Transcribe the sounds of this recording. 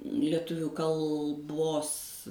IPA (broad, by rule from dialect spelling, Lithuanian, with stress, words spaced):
lʲiɛˈtʊʋʲuː kɐlˠˈboːs